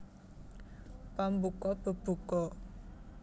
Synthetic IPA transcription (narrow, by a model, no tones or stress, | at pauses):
pambukɔb̥ə̤b̥ṳkɔ